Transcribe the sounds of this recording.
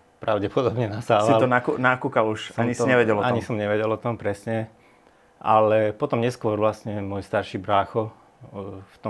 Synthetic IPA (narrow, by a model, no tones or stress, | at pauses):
pɾaʊɟɛpɔd̪ɔbɲɛnasaːʋalt̪ɔnakunakuːkaluʃsaɲist̪ɔɲɛʋɛɟɛlɔaɲisɔmɲɛʋɛɟɛlɔt̪ɔmpɾɛsɲɛ | ʔa̰lɛpɔt̪ɔmɲɛskʊɔɾʋlast̪ɲɛmɔjst̪aɾʃiːbɾaːxɔ | ft̪ɔ